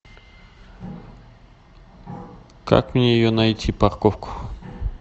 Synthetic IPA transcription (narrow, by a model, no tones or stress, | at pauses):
ka̰kmɪajʊnajt͡sɪpaɾkofkʊ̥